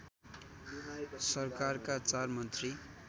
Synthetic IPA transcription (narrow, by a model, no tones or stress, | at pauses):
sʌrkarkat͡sarmʌnt̪ri